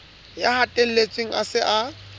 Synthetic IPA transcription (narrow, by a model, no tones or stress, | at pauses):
jahatʼen̩let͡sʼweŋ̩asɪʔa